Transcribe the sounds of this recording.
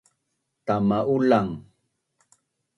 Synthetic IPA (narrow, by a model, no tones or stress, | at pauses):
t̪amaʔulaŋ